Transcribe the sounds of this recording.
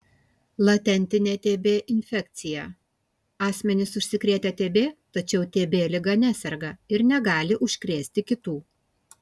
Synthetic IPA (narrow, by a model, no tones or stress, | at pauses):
lˠɐt̪ʲɛnʲt̪ʲɪnʲeːt̪ʲeːbʲeːʔɪnʲfʲɛk̚ʲt̪sʲɪjɛː | ɑːsʲmʲɛnʲɪsʊʃʲsʲɪkɾʲeːt̪ʲɛt̪ʲeːbʲeːt̪ɐt͡ʃʲɛʊt̪ʲeːbʲeːlʲɪɡɐnʲæːsʲɛɾɡɐɪɾnʲɛɡɑːlʲɪʔʊʃʲkɾʲeːsʲt̪ʲɪkʲɪt̪uː